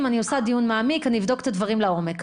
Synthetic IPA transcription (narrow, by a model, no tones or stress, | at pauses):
manio̞sad̪ijunmaːmikaniːvdo̞ke̥t̪advaʁimlao̞mek